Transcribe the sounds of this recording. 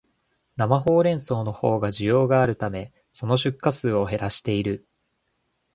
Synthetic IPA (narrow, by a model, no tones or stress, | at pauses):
namaɦo̞ːɾẽ̞ɰ̃so̞ːno̞ho̞ːɡaʑijo̞ːɡaːɾɯ̟t̪ame̞ | so̞no̞ɕɨkːasɨːo̞ɦe̞ɾaɕi̥t̪e̞iɾɯ̟